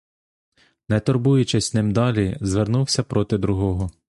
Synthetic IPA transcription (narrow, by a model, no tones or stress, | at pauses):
nɛt̪ɔrbujʊt͡ʃɪsʲnɪmd̪ɑlʲizʋernuwsʲɐpɾɔt̪ɪd̪ɾʊɦɔɦɔ